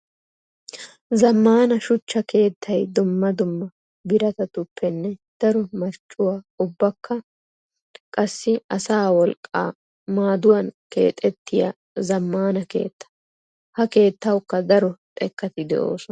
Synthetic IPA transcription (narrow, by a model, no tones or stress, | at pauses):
zɐmːaːnɐʃʊt͡ʃːɐkʰe̞ːt̪ːɐjd̪ʊmːɐd̪ʊmːɐ | bɪɾɐt̪ɐt̪ʊpːɛnːɛd̪̥ɐɾɔmɐɾt͡ʃʼːʊwaː | ʊbːɐkʰːɐ | kʼɐsːɪɐsaːwɔlkʼːa̰ː | maːd̪ʊwɐnke̞̰ːt̪ʼːɛt̪ːɪjɐ̰ | zɐmːaːnɐke̞̰ːt̪ːɐ̥ | hɐke̞ːt̪ːɐwkːɐd̪ɐɾɔt̪ʼɛkːɐt̪ɪd̪ɛ̰ʔo̞̰ːsɔ